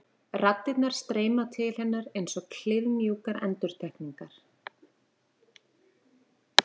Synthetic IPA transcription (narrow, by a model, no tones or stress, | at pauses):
rat̪ːɪt̪naɾ̥st̪ɾeːjmawt̪ʰɪlhɛnːaɾejnsɔɣkʰl̥ɪðmjuːkaɾɛ̰nt̪ʏɾ̥t̪ʰɛhkniŋkaɾ̥